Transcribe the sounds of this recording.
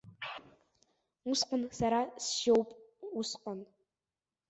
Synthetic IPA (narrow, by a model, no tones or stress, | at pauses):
ʊsqənsaɾasʃowpʼusqən